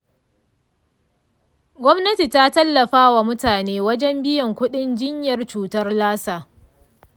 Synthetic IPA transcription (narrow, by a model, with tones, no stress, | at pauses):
ɡʷɔ˦mnɐ˦ti˨ta˦tɐ˦lːɐ˨ɸaː˦wa˨mʊ˦taː˨neː˦wɐ˦d͡ʒɛ˦mbɪ˦jɐ˨ŋkʷʊ˦ɗɪ˦nd͡ʒɪ˦ɲjɐ˨rt͡ʃuː˨tɐ˦rlaː˦saː˨